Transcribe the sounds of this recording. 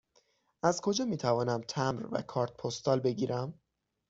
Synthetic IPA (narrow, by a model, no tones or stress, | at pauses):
æzkʰo̞d͡ʒɒːmiːt̪ʰævɒːnæmt̪ʰæmɾvæ̰kʰɒːɾt̪̚pʰost̪ɒːlbe̞ɟiːɾʔæm